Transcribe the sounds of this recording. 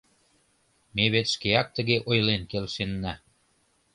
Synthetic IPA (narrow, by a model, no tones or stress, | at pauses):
meβet̪ʃkeɑk̚t̪ə̆ɣeʔojlenkelʃenːæ